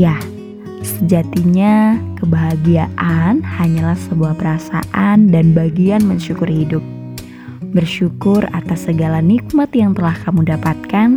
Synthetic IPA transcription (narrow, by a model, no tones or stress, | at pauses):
jah | səd͡ʒat̪iɲakəbaɦaɡiaʔanhaɲalahsəbuahpəɾasa̰ʔandanbaɡianməɲʃukʊrhidʊp̚ | bərʃukʊra̰t̪asːəɡalanik̚mat̪jaŋt̪əlahkamudapat̪̚kan